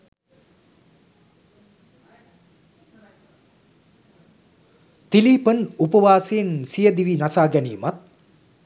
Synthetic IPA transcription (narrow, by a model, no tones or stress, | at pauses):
t̪ilipənupɐwaːseːnsijəd̪iʋinasʰaːɡɛnimɐt̪̚